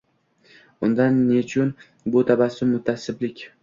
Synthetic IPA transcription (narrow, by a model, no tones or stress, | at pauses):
ʊnd̪anːet͡ʃʰʊn | bʊt̪ʰabasɪmʊt̪ʰːasɪblɪkʲ